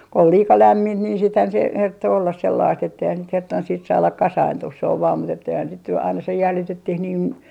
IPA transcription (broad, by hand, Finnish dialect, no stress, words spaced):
ol liːkɑ læmːint niːn siːthæn se hertːo olːɑs selːɑist etːeihæn sit hertːon siːt sɑːlɑk kɑsɑintuh se oʋ ʋɑːm mut etːeihæn sit ny ɑinɑ se jæljitetːih niːn